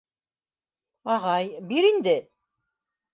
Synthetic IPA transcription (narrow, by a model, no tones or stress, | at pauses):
ɑʁɑjbiɾind̪ɘ